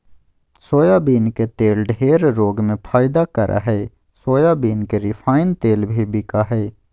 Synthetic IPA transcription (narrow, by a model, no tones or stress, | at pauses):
soːjabiːnket̪eːlɖʱeːɾɾoːɡmẽpʰaːɪd̪akəɾʔa̰ɦɛː | soːjabiːnkeɾɪfʰaːɪnt̪eːlbʱibɪkaɦɛː